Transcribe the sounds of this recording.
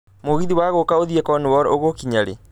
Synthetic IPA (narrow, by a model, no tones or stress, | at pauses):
moɣiðiwaɣokaoðiɛkɔnewɔɾoɣokiɲaɾḛ